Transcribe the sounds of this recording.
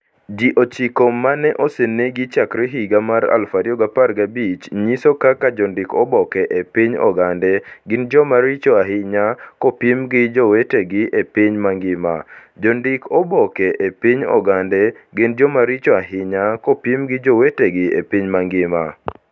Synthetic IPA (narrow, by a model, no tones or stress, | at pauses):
d͡ʒiʔot͡ʃikomːanɛʔɔseneɡit͡ʃakɾɛɦiɡamaɾa̰lfaɾjɔɡaparɡabit͡ʃɲisokakad͡ʒɔndɪkɔbɔkɛʔepiɲɔ̰ɡandɛɡɪnd͡ʒɔmaɾit͡ʃɔaɦɪɲakɔpimɡɪd͡ʒɔweteɡɪʔepiɲmaŋɡɪma̰d͡ʒɔndɪkʰɔbɔkɛʔepiɲɔ̰ɡandɛɡɪnd͡ʒɔmaɾit͡ʃɔaɦɪɲakɔpimɡɪd͡ʒɔweteɡɪepiɲmaŋɡɪma̰